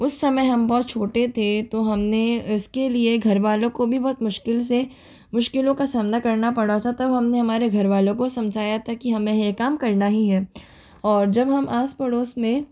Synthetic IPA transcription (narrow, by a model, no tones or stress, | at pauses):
ʊsːɐməjɦɐmbɔːt̪̚t͡ʃʰoːʈet̪ʰet̪oɦɐmneʊskelieɡʱɐɾʋaːlõkobʱibɔːt̪mʊʃkɪlse | mʊʃkɪlõkasaːmnakɐɾnapɐɽ̤at̪ʰat̪ɐbɦɐmneɦɐmaːɾeɡʱɐɾʋaːlõkosɐ̃md͡ʒʱaːjat̪ʰakiɦɐmẽɦkaːmkɐɾnaɦiɦɛː | ɔːɾd͡ʒɐbɦɐmʔaːspɐɽoːsmẽ